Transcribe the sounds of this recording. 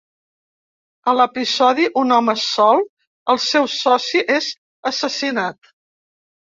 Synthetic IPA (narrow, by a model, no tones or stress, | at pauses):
ələpizɔðiʔunɔməsɔlˠ | əlˠsɛwsɔsiʔez | əsəsinat̪̚